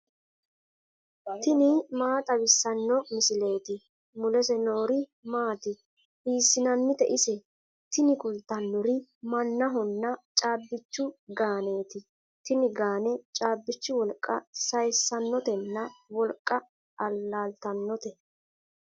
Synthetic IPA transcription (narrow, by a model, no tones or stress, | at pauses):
t̪ɪnɪmaːt̪ʼɐwɪsːɐnːɔmɪsɪle̞ːt̪ɪ | mʊlɛsɛnoːɾɪmaːt̪ɪ | hiːsːɪnɐnːɪt̪ɛʔɪsɛ | t̪ɪnɪkʊlt̪ːɐnːɔɾɪmɐnːɐɦɔnːɐt͡ʃʼaːbːɪt͡ʃːʊɡaːne̞ːt̪ɪ | t̪ɪnɪɡaːnɛt͡ʃʼaːbːɪt͡ʃːʊwɔlkʼːɐsɐjsːɐnːɔt̪ɛnːɐwɔlkʼːɐ | ɐlːaːlt̪ɐnːɔt̪ɛ